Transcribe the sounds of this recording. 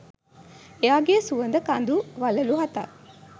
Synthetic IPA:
eaːɡeːsuʋənd̪əkand̪uʋaləluɦat̪a̰

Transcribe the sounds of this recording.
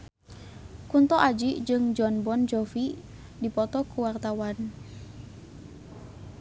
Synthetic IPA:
kunt̪ɔʔad͡ʒid͡ʒɨŋd͡ʒɔnbɔnd͡ʒɔfi | dipɔt̪ɔkuwart̪awan

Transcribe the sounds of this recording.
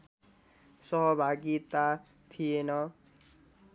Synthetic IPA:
sʌɦʌbʱaɡit̪a | t̪ʰijenʌ

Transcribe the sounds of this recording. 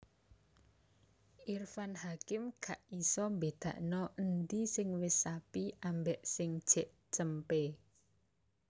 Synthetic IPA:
irfanhakɪmkaʔisɔmbed̪̥ä̤̰ʔnɔʔənd̪isɪŋwɪsapiambɛʔsɪŋd̥ʒ̥ɛʔ | t͡ʃəmpe

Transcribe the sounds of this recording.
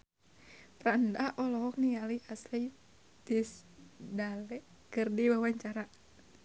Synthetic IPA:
pɾandaʔɔlɔɦɔk̚nialiʔaslɛi | t̪isdalɛ | kɨrdiwawaɲt͡ʃaɾa

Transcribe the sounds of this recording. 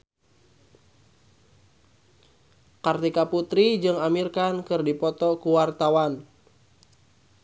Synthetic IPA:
kart̪ikaput̪ɾid͡ʒɨŋamirkankɨrdipɔt̪ɔkuwart̪awan

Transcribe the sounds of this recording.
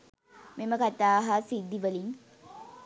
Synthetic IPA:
meməkat̪aːɦasid̪ːiʋəliŋ

